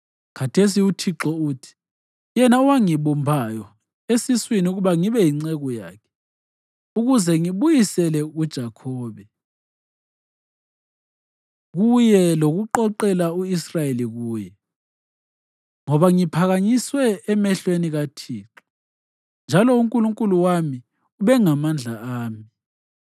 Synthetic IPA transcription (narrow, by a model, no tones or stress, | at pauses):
kʰatʰes̬iutʰiǁɔuːtʰi̥ | jɛnauwaŋiβumbʱaːjɔ | esiswiniuɣuβaŋiβɛjiŋ͡ǀɛɣɔja̰ːkʰɛ̥ | uɣuzɛŋiβujisɛlɛud̥ʒ̥ʱakʰɔːβɛ | ɣujɛloɣuǃɔǃɛlauisrajeliɣuːjɛ | ŋɔβaŋipʰaɣaɲiswɛːmɛɬweniɣatʰiːǁu̥ | nd͡ʒʱalɔuŋkʼuluŋkʼuluwami | uβɛŋamand͡ɮʱaaːmi